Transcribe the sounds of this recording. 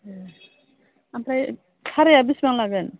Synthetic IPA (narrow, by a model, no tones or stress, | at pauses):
ampɾaj | tʰaɾejabisbaŋlaɡɛn